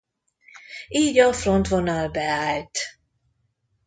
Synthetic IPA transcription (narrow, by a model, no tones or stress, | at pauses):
iːɟɒfront̪vonɒlbɛaːlt̪